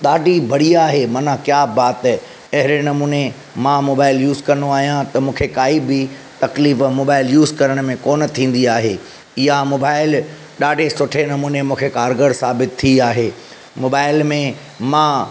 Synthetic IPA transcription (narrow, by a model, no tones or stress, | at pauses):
ɗaːɖʱibʱɐɽiaːɦemɐnãkjaːbaːt̪ɛ | ɐɦɪɾenɐmuːne | mãːmoːbaːɪljuːzkɐ̃noaːɦijãt̪ɐmũːkʰekaːibɪ | t̪ɐkliːfmoːbaːɪljuːzkɐɾəɽ̃mẽkoːnət̪ʰĩːn̆d̪iaːɦe | ɪɦamoːbaːɪl | ɗaːɖʱesʊʈʰenɐmuːnemũːkʰekaːɾɡəɾsaːbɪt̪ʰːiaːɦeː | moːbaːɪlmẽ | mãː